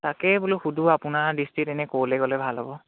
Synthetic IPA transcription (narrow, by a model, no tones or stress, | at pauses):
takɛbuluxudʱuapʊnaɹdistɹitɛnɛkowlɛɡɔlɛbʱalɦɔbɔ